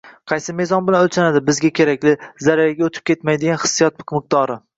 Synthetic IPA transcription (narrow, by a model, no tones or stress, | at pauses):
qʰɑjsɪme̞zɒnbɪlanolt͡ʃʰanad̪ɪbɪzɡʲakʲʰe̞ɾakʲlɪzaɾajaɡʲaot̪ʰɪ̥p̚kʲe̞t̪majd̪ɪɡʲanχɨ̥sːijɒt̪̚bqmɨq̚t̪ɒɾɪ